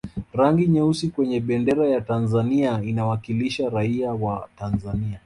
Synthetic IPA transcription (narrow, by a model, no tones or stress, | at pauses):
ɾaŋɡiɲɛusikwɛɲɛɓɛndɛɾajatanzaniainawakiliʃaɾaiawatanzania